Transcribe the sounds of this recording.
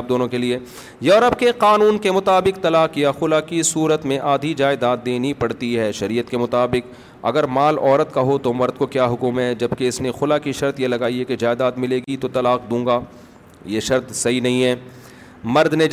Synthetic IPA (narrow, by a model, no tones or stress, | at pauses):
b̚d̪oːnõkelie | jɔːɾəbkeqaːnuːnkemʊt̪aːbɪq̚t̪ɐlaːq̚kːijaxʊlaːkisuːɾət̪mẽʔaːd̪ʱid͡ʒaːɪd̪aːt̪̚ːeːnipɐɽt̪iɦɛːʃɐɾiːət̪̚kemʊt̪aːbɪq | ɐ̰ɡəɾmaːlɔːɾət̪kaɦot̪omɐɾd̪̚kokjaːɦʊkumɦɛd͡ʒɐbkeɪsnexʊlakiʃɐɾt̪jelɐɡaːiɦɛked͡ʒaːɪd̪aːd̪mɪleːɡit̪ot̪ɐlaːqd̪ũːŋɡaː | jeʃɐɾt̪sɐɦinɐɦĩɦɛː | mɐɾd̪ne